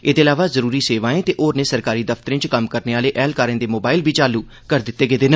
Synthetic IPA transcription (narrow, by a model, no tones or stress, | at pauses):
eːd̪eːlaːʋaːzəɾuːɾiːseːʋaːẽːt̪eːʔoːɾnẽːsəɾkaːɾiːd̪əft̪əɾẽːt͡ʃkəmkəɾneːaːleːʔɛːlkaːɾẽːd̪eːmoːbaːɪlbʱiːt͡ʃaːluː | kəɾd̪ɪt̪ːeːɡeːd̪eːn